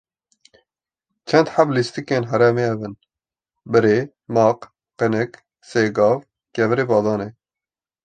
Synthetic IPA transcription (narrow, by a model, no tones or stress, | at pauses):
t͡ʃʰɛnd̪ħablist̪ikeːnɦɛɾɛmeːɛvɨn | bɨɾeː | mɑːq | qɨnɨk | seːɡɑːv | kɛvɨɾeːbɑːd̪ɑːneː